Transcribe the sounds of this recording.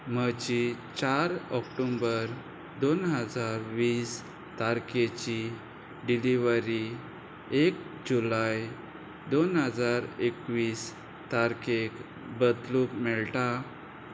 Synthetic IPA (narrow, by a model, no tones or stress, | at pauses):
m̤əd͡ʑit͡ɕaɾɔkʈombəɾ | d̪onɦəd͡zaɾʋiːs | t̪aɾket͡ɕi | ɖiliʋəɾi | ek | d͡ʑulaj | d̪onɦəd͡zaɾekʋiːs | t̪aɾkek | bəd̪lukmɛɭʈa